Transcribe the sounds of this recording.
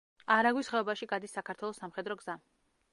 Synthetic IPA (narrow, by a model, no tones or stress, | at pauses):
aɾaɡwisχɛɔbaʃiɡad̪isːakʰaɾt̪ʰwɛlˠɔsːamχɛd̪ɾɔɡz̥a